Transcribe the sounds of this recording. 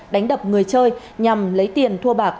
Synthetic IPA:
ɗa˨˦jŋ̟ɗə˨˩p̚ŋɨ˨˩əjt͡ɕəː˧j | ɲa˨˩mlə˨˦jt̪i˨˩ənt̪ʰu˧əɓaː˨˩k̚

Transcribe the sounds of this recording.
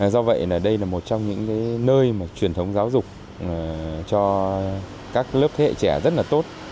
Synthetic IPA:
zɔ˧və̰˧˨jnaː˨˩ɗə˧jlaː˨˩mo˨˩t̚t͡ɕɔ˧wŋ͡mɲɨ̰˧˥ŋkaː˨˦jnəː˧jmaː˨˩t͡ɕwi˨˩ənt̪ʰə˨˦wŋ͡mzaː˨˦wzʊ˨˩k͡p̚ː | t͡ɕɔ˧ | kaː˦˥k̚ləː˦˥p̚t̪ʰe˨˦ḛ˧˨t͡ɕɛ˧˩zə˦˥t̚laː˨˩t̪o˦˥t̚

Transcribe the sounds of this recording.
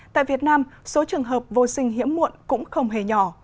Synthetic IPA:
t̪a̰ː˧˨jvi˨˩ət̚naː˧mso˨˦t͡ɕɨ˨˩əŋɦəː˨˩p̚vo˧sï˧ŋ̟ɦḭ˧˥əmːṵ˧˨ənkʊ̰˧˥ŋ͡mxə˧wŋ͡mɦe˨˩ɲɔ˧˩

